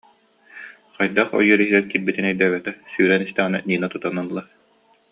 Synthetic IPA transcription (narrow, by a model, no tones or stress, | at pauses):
qajd̪aχɔ̰jœɾiɦilɛɾkiɾbit̪inɛjd̪ɛːɡɛt̪ɛsyːɾɛnist̪ɛʁana̰niːnat̪ut̪analˠːa